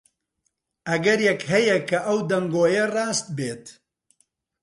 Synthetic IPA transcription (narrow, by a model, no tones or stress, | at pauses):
ʔɐɡɐɾjɛkɦɐjɛkʰɐʔɐwd̪ɐŋɡoːjɐrɑːst̪̚beːt̪